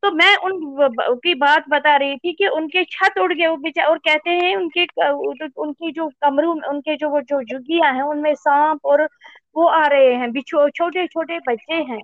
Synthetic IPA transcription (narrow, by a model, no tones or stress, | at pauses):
t̪oːmɛ̃ːʔʊnkibaːt̪̚bɐt̪aɾɐɦit̪ʰikiʊnket͡ʃʰɐt̪ʊɽɡəeobɪt͡ʃaɔːɾkɛɦt̪eɦɛ̃ʊnke | ʊnkid͡ʒoːkɐmɾũmʊnked͡ʒoːd͡ʒoːd͡ʒʊɡijaɦɛ̃ʊnmẽsãːpɔːɾ | ʋoaːɾɐɦeɦɛ̃ːbit͡ʃʰot͡ʃʰoːʈet͡ʃʰoːʈebɐtːʃeɦɛ̃ː